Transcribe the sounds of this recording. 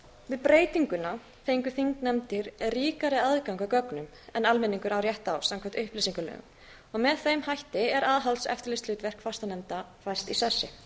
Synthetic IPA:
vɪðpɾeːjt̪iŋkʏna | fejŋkʏθiŋknɛmt̪ɪɾriːkaɾɪaðkawŋkakœknʏm | ɛnalmɛnːiŋkʏɾawɾjɛht̪awsamkʰvɛ̥t̪ʏhpliːsiŋkʏlœ̰ːɣʏ̰m | ɔɣmɛðθejmhajht̪ɪɛɾaːðɦalsɛ̰ft̪ɪɾlest̪lʏt̪vɛr̥kfast̪anɛmt̪afajst̪isasːɪ

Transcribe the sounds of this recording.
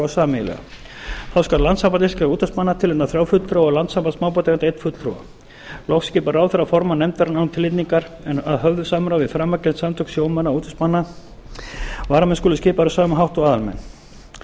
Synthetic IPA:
awsaːmɪlɛ̰ɣa̰ | θawskaɾlant̪sampat̪ɪskauːt̪asmanːat̪ʰɪlenaθɾjaːwfʏt̪ɾowɔɣlant̪sampat̪smaːwpɔt̪aɛnejt̪fʏt̪lʰɾo̰wa̰ | lɔwfscɪːpaɾawθaɾafɔɾmanɛmt̪ɛɾanawt̪ʰɪlɪt̪niŋkaɾ | ɛnaðɦœvðʏsaːmɾawvɪfɾaːmːacɛlt̪samt̪ʰʏk̪sjowmanːauːt̪ʰʏstmanːa | vaːɾamɛnskuːlʏscɪːpaɾʏsaːmaɦawht̪ɔɣaːðalmɛ̰nː

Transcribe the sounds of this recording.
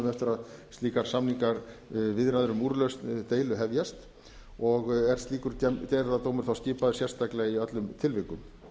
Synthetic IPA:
ʏmɛft̪ɪɾaðst̪iːkaɾ̥samniŋkaɾvɪðɾaðʏɾʏmuːɾlœɥst̪t̪eːjlʏɦɛvjast̪ | ɔɣɛɾ̥st̪liːkʏɾ̥ɛc̪aːjɾaðat̪oːwmʏɾ̥θawscɪːpaðʏ̥sjɛr̥st̪aklɛɣiœt̪lʏmt̪ʰɪlvɪkʏm

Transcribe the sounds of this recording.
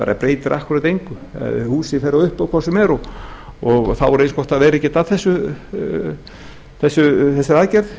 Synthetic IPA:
a̰ːɾa̰pɾeːjt̪ɪɾʔahkvʏɾat̪ejŋkʏa̰ðɪ̰huːsɪfɛːɾaðʏhpawkʰvasɛmɛɾɔɔɣθawvɔɾẽjnskɔht̪aðvɛːɾɛcːɪt̪aθɛsːʏ | θɛsːʏθɛsɪɾaðcɛɾð

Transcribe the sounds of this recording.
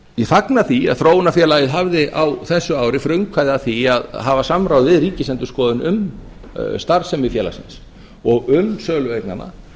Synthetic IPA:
jɛfaknaθia̰ðθɾoːwnafjɛːlajɪðɦavðɪʔawθɛsːʏaːwɾɪfɾœɥŋkʰvajðaθiaðɦavasamɾaːwðvɪðriːcɪsɛnt̪ʏ̥skɔːðʏnʏm | st̪aɾsɛmɪfjɛːla̰sɪ̰ns | ɔɣʏmsœːlʏvejkna̰nʔa̰

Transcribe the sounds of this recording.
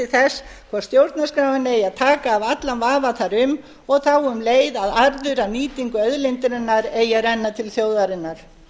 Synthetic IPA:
ɪθɛskʰvḁst̪jowɾt̪naskɾaːwvanːɪejaðt̪ʰaːkaːvat̪lanvaːvaθaɾʏm | ɔɣθawʏmleːjðaðaɾðʏɾaniːt̪iŋkʏœðlent̪ɾɪnːaɾeːjaɾɛnːat̪ʰɪlθjowðaɾɪnːaɾ̥

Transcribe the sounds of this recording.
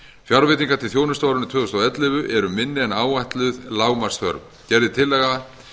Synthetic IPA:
fjaɾvɪt̪iŋkaɾt̪ʰɪθjoːwnʏst̪awɾʏnʏt̪ʰœːðʏst̪awɛt̪lɪvʏʔɛɾʏmɪnːɪɛnaːwajht̪lʏðlaːwmar̥sθœ̰ɾp | cɛɾðɪt̪ʰɪlːɛːɣa

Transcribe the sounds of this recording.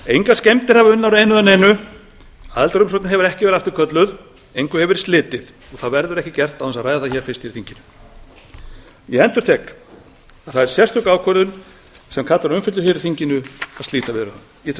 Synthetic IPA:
ejŋkascɛmt̪ɪɾ̥havaʏnːawɾejnʏðaneːjnʏ | a̰ðlt̪aɾʏms̬ɔwt̪nɪɦɛvʏɾɛhcɪvɛɾaft̪ɪ̥ɾkʰœt̪lʏð | ejŋkʏhɛvɪɾst̪lɪːt̪ɪð | ɔɣθaðvɛɾðʏɾɛhcɪcɛr̥t̪awɛnsaðrajðaθaçɛːɾ̥fɪst̪jɛɾθiɲcɪnʏ̥ | jɛɛnt̪ʏɾ̥θɛk | aðθaðɛɾ̥sjɛrst̪ʏkaːwkʰœɾðʏn | sɛmkʰat̪aɾʏmfɪt̪lʏɾ̥çjɛɾɪθiɲcɪnʏaðst̪iːt̪avɪðɾʏɾhan | jɛ

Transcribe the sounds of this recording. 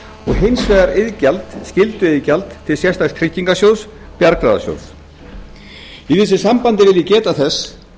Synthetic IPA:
ɔɣɦejnsvɛːðaɾɪðcalt̪scɪlt̪ʏɪðcalt̪t̪ʰːɪlsjɛrst̪ast̪ʰɾɪcːiŋkasjoːws | pjaɾkɾaða̰sjo̰ws | iθɪs̬ːɪsampant̪ɪvɪlɪcɛːt̪aθɛs

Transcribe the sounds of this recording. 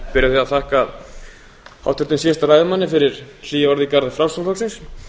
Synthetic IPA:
pɪɾɪθiaðθahkaːð | ha̰wht̪ʰːʏ̥t̪ɪnsɛst̪aɾajðɪmanːɪfɪɾɪɾl̥iːjaɔɾðikaɾðɪfɾawsɔmlɔwksins

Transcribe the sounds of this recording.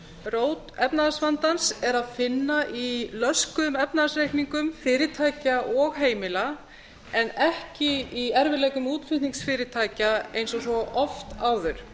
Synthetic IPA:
roːwt̪ɛpnaðasvant̪ansɛɾaðfɪnːaʔilœskʏʏmɛpnaðasrejhkniŋkʏmfɪːɾɪt̪ʰaːjcaʔɔɣɦeːjmɪla | ɛnɛhcɪiɛɾvɪlɛːjkʏmuːt̪fɪt̪niŋksfɪːɾɪt̪ʰaːjcaejns̬ɔsvɔʔɔft̪aːwðʏɾ̥

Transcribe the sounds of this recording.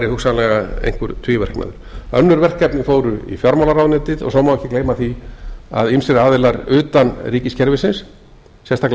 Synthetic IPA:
ɾɪhuksanlɛɣaḛjŋ̥kvʏɾt̪ʰiːvɛr̥kma̰ðʏɾ̥œnːʏɾvɛr̥kɛpnɪfoːwɾʏḭfjɔɾmawlaɾawnɪːt̪ɪðɔ̰ɣsɔwmawɛhcɪkleːjmaθia̰ðimsɪɾaːðɪlaɾʏːt̪anriːcɪscʰɛɾvɪsɪns | sɛst̪akl

